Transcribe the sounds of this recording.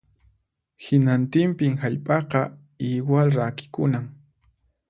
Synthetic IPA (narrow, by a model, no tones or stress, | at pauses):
hɪnant̪ɪmpɪŋhaʎpʼɑqɑ | iwalɾakɪ̥kʊnaŋ